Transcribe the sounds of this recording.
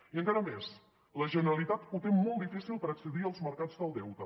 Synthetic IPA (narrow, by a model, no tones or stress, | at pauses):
iəŋkaɾəmes | ləʒənəɾəlit̪at̪ut̪emmːɔlˠd̪ifisilˠpəɾəksəðiəlˠzməɾkad͡zðəlˠd̪ɛwt̪ə